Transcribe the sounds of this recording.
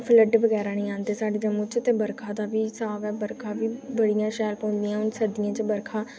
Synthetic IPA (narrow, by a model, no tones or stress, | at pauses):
pʰləɖʋəɡɛːɾaːnĩːãːnd̪eːsaːɖeːd͡ʒəmũːt͡ʃt̪eːbəɾkʰãːd̪aːʋiːsaːʋɛːbəɾkʰãːʋiːbəɽɪjãːʃɛːlpɔ̃ːnd̪ijãːʊnsəɾd̪ɪjãːt͡ʃəbəɾkʰaː